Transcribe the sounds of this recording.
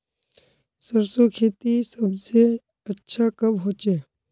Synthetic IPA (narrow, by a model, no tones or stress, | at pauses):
səɾsokʰeːt̪isəbse | ɐtːʃʰakəbɦoːt͡ʃeː